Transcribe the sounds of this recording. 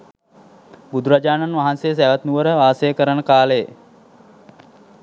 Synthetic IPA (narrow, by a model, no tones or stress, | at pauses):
bud̪ʱuɾad͡ʒaːnanʋaɦansejəs̬æʋət̪nuʋəɾəʋaːsəjəkəɾənəkaːləje